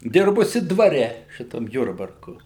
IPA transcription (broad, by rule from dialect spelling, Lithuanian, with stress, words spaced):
ˈdʲɪrbʊsʲɪ dʋɐˈrʲɛ ˈʃʲɪtɐm ˈjʊrbɐrkʊ